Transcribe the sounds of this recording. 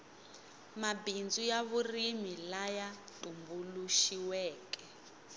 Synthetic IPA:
mabind͡zujaβurimilajatʼumbuluʃiwɛːkʼɛ

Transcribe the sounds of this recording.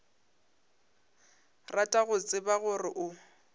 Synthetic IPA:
ratʼaɣʊt͡sʼɪbaɣʊrɪʔʊ

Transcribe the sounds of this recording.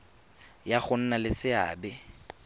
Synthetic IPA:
jaχʊn̩nalɪsɪa̰ːbɪ

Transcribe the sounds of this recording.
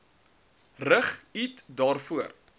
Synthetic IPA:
rəχitdɑːrfuər

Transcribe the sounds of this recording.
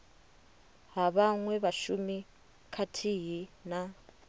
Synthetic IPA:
ɦaβaŋwɛβaʃumi | kʰatʰiɦina

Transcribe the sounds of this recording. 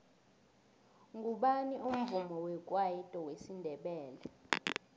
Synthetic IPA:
ŋɡʱuɓaniʔum̩vumɔwɛkʼwajitʼɔwesindʱɛɓɛːlɛ

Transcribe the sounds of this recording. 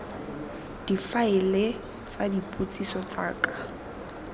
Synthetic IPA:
d̥ifaɪle | t͡sadipʼot͡sʼisɔt͡saːkʼḁ

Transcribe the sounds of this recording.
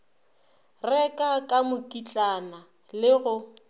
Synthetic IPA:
rɛkʼakʼamʊkʼit͡ɬʼana | lɪɣʊ

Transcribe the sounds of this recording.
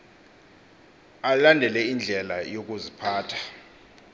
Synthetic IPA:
alandʱɛlɛind͡ɮʱɛlajok̬ʼuzipʰaːtʰḁ

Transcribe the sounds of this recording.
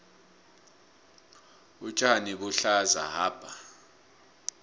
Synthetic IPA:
ut͡ʃʼaniɓuɬaza̰ɦaːb̥ʼʱa

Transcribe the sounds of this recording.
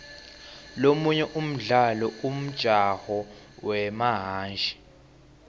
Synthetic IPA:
lomuɲɛʔum̩ɮalɔum̩d̥ʒ̥ʼʱahɔ | wɛmaɦaːnd͡ʒʱi̥

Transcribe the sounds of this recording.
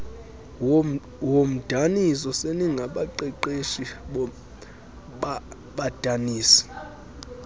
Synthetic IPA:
wom̩d̥ʱanisɔseniŋɡʱaɓaǃɛǃeʃi | ɓa | ɓad̥ʱaniːsi̥

